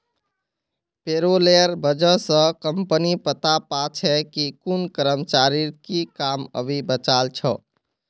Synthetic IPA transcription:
peɾolejəɾbəd͡ʒəsə̃kəmpənipət̪apat͡ʃʰɛkikunkəɾəmt͡ʃaɾikikamə̰bʱibət͡ʃalt͡ʃʰə

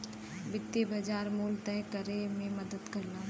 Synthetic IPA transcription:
bɪt̪ːebəd͡ʒaːɾmuːlt̪ɛːkəɾemẽməd̪əd̪kəɾlaː

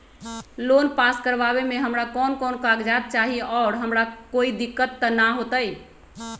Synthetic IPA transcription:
lonpaskəɾʋaβemeɦəmɾakɔnkɔnkaɡd͡ʒat̪̚t͡ʃaɦiɔːɾɦəmɾakoid̪ikːət̪ːənaɦot̪əj

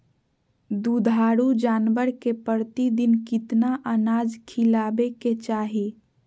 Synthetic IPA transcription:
d̪ud̪ʱaːɾud͡ʒaːnʋəɾkepəɾt̪id̪inkɪt̪naʔənad͡ʒkʰilaːbeket͡ʃaɦe

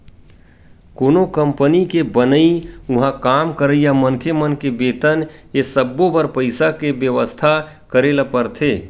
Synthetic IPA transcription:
koːnokə̃mpənikebənəiʊɦãkaːmkəɾəijamənkʰemənkebeːt̪ənjesəbːobəɾpəɪsakebjəʋəst̪ʰa | kəɾeːlapəɾt̪ʰeː

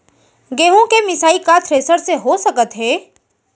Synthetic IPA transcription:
ɡeːɦõkemɪsaːikat̪ʰɾeːsəɾseɦosɐkət̪ɦɛː

